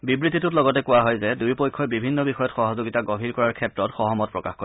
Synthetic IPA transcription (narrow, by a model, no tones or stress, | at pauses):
bibɹititʊtlɔɡɔtɛkʊwaɦɔjzɛdujpojkʰːɔjbibʱinːɔbixɔjɔtxɔɦɔzoɡitaɡɔbʱiɹkɔɹaɹkʰɛtɹɔtxɔɦɔmɔt̚pɹɔkaxko